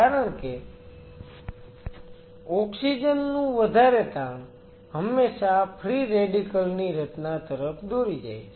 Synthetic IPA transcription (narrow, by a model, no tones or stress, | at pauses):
kaɾəɳke | ɔksid͡ʒənːũʋəd̪ʱaɾet̪ãɳ̃ | ɦəmːeʃapʰɾiɾeɖikəlniɾət̪nat̪əɾəpʰd̪oɾid͡ʒa̰jʰ